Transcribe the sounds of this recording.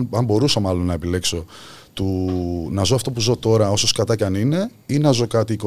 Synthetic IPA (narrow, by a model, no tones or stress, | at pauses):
ɐmbo̞ɾusɐmɐlo̞nːɐepile̞kso̞t̪unɐzo̞ɐft̪o̞puzo̞t̪o̞ɾɐo̞soskɐt̪ɐcɐnine̞ | inɐzo̞kɐt̪iːko